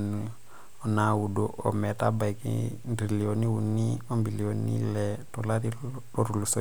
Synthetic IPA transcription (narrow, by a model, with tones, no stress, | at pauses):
ni | ɔ˨na˨wu˨doʔɔ̰˨mɛ˨ta˦ba˨ikḭndɾi˨li˨oni˦wu˨nːi˦ɔ˦mbi˨li˨o˨nḭ˦lɛdɔ˨la˦ɾi | ɔɾu˨lu˨so˦